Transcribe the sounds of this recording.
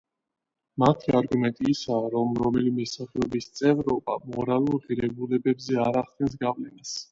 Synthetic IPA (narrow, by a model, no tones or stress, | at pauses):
mat̪ʰiaɾɡumɛnt̪ʼiːsaːɾɔmɾɔmɛlimɛsaχɛɔbist̪sʼɛvɾɔba̰mɔɾalˠuɾʁiɾɛbulɛbɛbzɛaɾaχd̪̚ʼɡɛns̬ɡavlɛnas